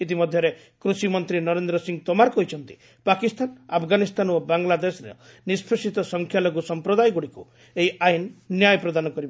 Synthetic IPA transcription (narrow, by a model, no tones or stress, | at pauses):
it̪̬imɔd̪ʱjɔɾe | kɾusimɔnt̪ɾinɔɾend̪ɾɔsiŋt̪omaɾɔkɔɦit͡ʃʰɔnt̪i | pakist̪anapʰɡanist̪anobaŋlad̪esɾḛ | nispʰisit̪ɔsɔŋkʰjaloɡusɔmpɾɔd̪ajɡuɽiku | eɦiajnnjajɔpɾɔd̪anɔkɔɾibɔ